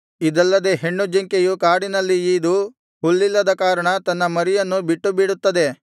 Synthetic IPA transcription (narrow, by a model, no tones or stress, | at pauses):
id̪ɐlːɐd̪e̞ɦe̞ɳːud͡ʒiŋkejukaːɽinɐlːiiːd̪u | huɭːilːɐd̪ɐkaːɾɐɳɐt̪ɐnːɐmɐɾijɐnːubiʈːubiɽut̪ːɐd̪e̞